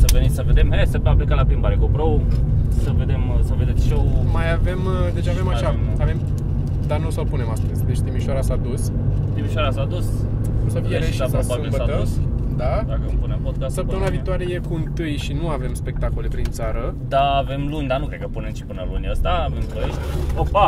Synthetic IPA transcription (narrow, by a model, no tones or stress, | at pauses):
səvenisəved̪emɦesəpeaplikalapɾimbaɾekopɾowsəve̞d̪e̞msəved̪e̞t̪sʃowmajave̞md̪e̞t͡ʃave̞maʃamave̞m | d̪anosəlpune̞mast̪əzʲd̪e̞t͡ʃt̪imiʃoaɾasad̪ust̪imiʃaɾasad̪us | kumsəfieɾeʃasaobabɨilmbəaəusd̪ad̪akəɨmpunempod̪̚kassəp̚t̪əmɨnavit̪oaɾejekuɨnt̪ɨjʃinuave̞mspe̞k̚t̪ako̞le̞pɾint̪saɾəd̪aːve̞mlunʲd̪anukɾekːəpunemt͡ʃi̥pɨnəɾmɨniəst̪aːve̞mpəʃt̪ʲopa